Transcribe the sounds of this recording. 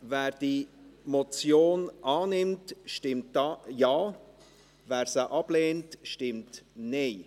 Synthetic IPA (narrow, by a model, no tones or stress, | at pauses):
vɛːɾd̥iːmot͡sjoːnʔɑːnɪmtʃtɪmtjaː | vɛːɾsəʔɑb̥leːntʃtɪmtneɪ